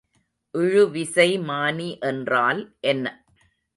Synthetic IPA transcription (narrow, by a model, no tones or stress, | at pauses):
ʔɪɻɯʋɪsɐɪmaːniʔɛndraːlʔɛnːɐ